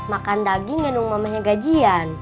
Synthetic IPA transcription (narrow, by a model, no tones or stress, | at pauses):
makandaɡiŋːɛnuŋmamaɲaɡad͡ʒian